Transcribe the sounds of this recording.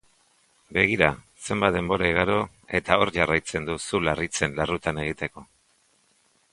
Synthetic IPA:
be̞ɣ̞iɾa | se̞mbat̪d̪e̞mbo̞ɾaiɣaɾo̞ | e̞t̪ao̞ɾʝarajt͡se̞nd̪usularit͡se̞nlarut̪ane̞ɣ̞it̪e̞ko̞

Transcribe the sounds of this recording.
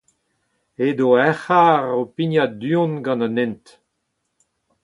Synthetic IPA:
ed̪oɛχaːʁopiɲjadyɔ̃nɡɑ̃nanɛ̃nt̪

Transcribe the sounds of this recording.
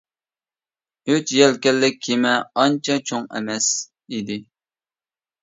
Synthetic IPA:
øt͡ʃjɛlkʲɛlːɪk̚ʲʰːemɛɑnt͡ʃʰɑt͡ʃʰoŋɛ̰mɛs | id̪ɪ

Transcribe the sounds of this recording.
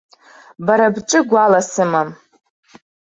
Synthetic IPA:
baɾabʈ͡ʂʼɨɡʷalasɨmam

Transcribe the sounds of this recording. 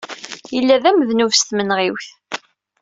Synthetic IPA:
jəlːæðæməðnuvst̪mənʁiwθ

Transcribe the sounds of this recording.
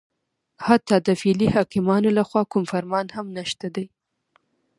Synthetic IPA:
hat̪ːɑd̪əfilihɑkɪmɑnolaxwɑkʊmfaɾmɑnhamnaʃt̪ad̪aj

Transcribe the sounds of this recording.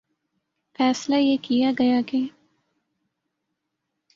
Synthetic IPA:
fɛːslajekijaɡɐjake

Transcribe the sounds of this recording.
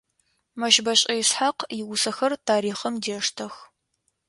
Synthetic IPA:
mɐʃbɐɕʼɐjɪsħaqjɪwʊsɐxɐrtʰaːɾiːχɐmdeːʂtʰɐx

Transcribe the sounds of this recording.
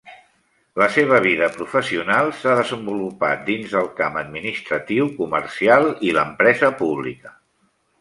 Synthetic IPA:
ləseβ̞əβ̞iðəpɾufəsiunalˠsaðəzəmbulupa̰t̪̚d̪inzðəlˠkaməd̪minist̪ɾət̪iwkumərsialˠiləmpɾɛzəpuβlḭkə

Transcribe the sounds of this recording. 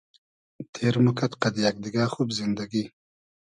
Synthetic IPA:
t̪ʰeɾmʊkat̪qad̪ijak̚d̪ɪɡɑːxubzɪnd̪aɡi

